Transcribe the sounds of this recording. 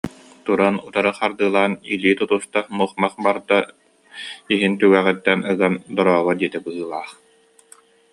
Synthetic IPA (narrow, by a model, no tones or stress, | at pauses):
t̪uɾanut̪aɾɯχaɾd̪ɯːlˠaːniliːt̪ut̪ust̪amuχmaχbaɾd̪a | iɦint̪ywæːʁɛt̪ːɛnɯɡand̪ɔɾɔːβɔd̪iɛt̪ɛbɯɦɯːlˠaːχ